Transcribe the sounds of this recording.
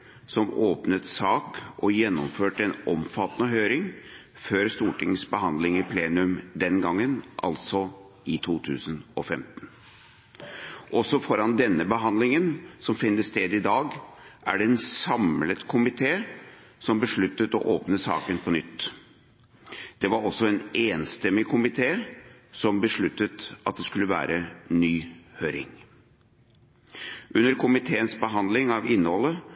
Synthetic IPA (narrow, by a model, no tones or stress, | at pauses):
sɔmoːpnət̪sɑːkɔjɛnːɔmføːʈɛnɔmfɑt̪ːnəɦøːɾɪŋ | føːɾst̪uːʈɪŋsbəhɑnd̪lɪŋɪpʰleːnʉmd̪ɛnɡɑŋːənʔɑ̰lsɔ | ɪt̪ʰuːt̪ʰʉ̰ːsənɔfɛmt̪n | ʔɔsːɔfɔɾɑnd̪ɛnːəbəɦɑnd̪lɪŋənsɔmfɪnːəsst̪eːd̪ɪd̪ɑːɡʔæ̰ɖɛɛnsɑmlət̪kʰʊmɪt̪ʰeː | sɔmbəʂɭʉt̪ːət̪ɔ̰ʔoːpnəsɑ̰ːkənpʰɔnʏt̪ː | d̪̥ɛʋɑɾɔsːɔɛneːnst̪ɛmːɪkʰʊmɪt̪ʰeːsɔmbəʂɭʉt̪ːət̪ʔɑt̪̚d̪ɛskʉlːəʋæ̰ːɾʔənyːhøːɾɪ̰ŋ | ʔʉnːəɾkʰʊmɪt̪ʰeːənsbəɦɑnd̪lɪŋɑʋɪnːəhɔlːə